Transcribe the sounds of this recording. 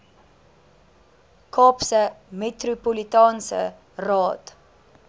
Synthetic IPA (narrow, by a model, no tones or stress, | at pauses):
kʰɑːpsəmetrupolitɑːnsə̰ | rɑːt